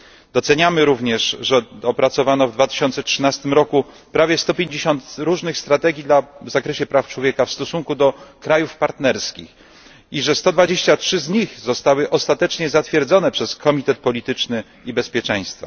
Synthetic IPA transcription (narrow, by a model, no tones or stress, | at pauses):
d̪̥ɔt̪sɛɲamɘɾuvɲɛʂʐɛɔpɾat̪sɔvanɔvd̪vat̪ɘ̥ɕɔnt̪sɛtʂɘnast̪ɘmɾɔku | pɾavʲjɛst̪ɔpʲjeɲd͡ʑeɕɔnt̪ɾuʐnɘxst̪ɾat̪ɛɡʲid̪lavzakɾɛɕɛpɾaft͡ʂwɔvʲjɛkafst̪ɔsuŋkud̪ɔkɾajufpaɾt̪nɛɾskʲḭx | iʐɛst̪ɔd̪vad͡ʑeɕt͡ɕatʂɘzɲixzɔst̪awɘʔɔst̪at̪ɛt͡ʂɲɛzat̪fʲjɛɾd̪zɔnɛpʂɛskʰɔmʲit̪ɛt̪̚pɔlʲit̪ɘt͡ʂnɘ | ibɛspʲjɛt͡ʂɛ̃j̃st̪fa̰